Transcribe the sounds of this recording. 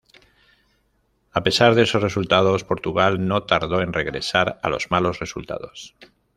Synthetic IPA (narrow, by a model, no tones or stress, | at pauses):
ape̞saɾðe̞so̞sre̞sult̪að̞o̞spo̞ɾt̪uɣalno̞t̪aɾðo̞e̞nre̞ɣɾe̞̰saɾa̰lo̞̰zmalo̞sre̞sṵlt̪a̰ð̞o̞s